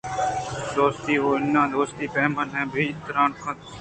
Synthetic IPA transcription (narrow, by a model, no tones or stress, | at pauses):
d̪oːst̪iːɦoːɪnːãːd̪oːst̪iːpɛːmənɦɛ̃ːbʱiːɪt̪əɾaːnkʰãː